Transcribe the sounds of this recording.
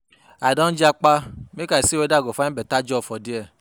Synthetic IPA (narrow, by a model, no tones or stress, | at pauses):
adɔ̃n̩d͡ʒak͡pamĩkaisiwɛdaɡɔfanĩbɛtad͡ʒɔfɔdiɛ